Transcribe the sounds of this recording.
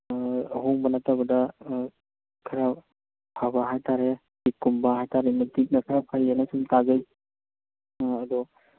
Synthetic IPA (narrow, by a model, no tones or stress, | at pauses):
ɦoŋbɐnatabɐdɐ | kʰɐɾa | pʰabaɦajtaɾe | kikːumbaɦajtaɾemɐdik̚nɐkʰaɾapʰajanasumtazaj | ɐd̪ɔ